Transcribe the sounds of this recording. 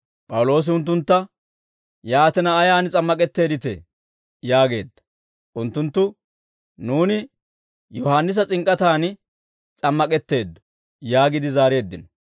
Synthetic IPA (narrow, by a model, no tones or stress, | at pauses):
pʼɐwʊlo̞ːs̬ɪʊnt̪̬ːʊnt̪ːɐ | jaːt̪ɛnɐːjaːnt͡sʼɐmːɐkʼɛt̪ːe̞ːd̪ɪt̪ɛ̰ | jaːɡe̞̰ːd̪ːɐ̥ | ʔʊnt̪ːʊnt̪ːʊ | nuːnɪ | jɔhaːnːɪs̬ɐt͡sʼɪŋkʼːɐt̪aːn | t͡sʼɐmːɐkʼɛt̪ːe̞ːd̪ːɔ̥ | jaːɡɪd̪ɪzaːɾe̞ːd̪ːɪnɔ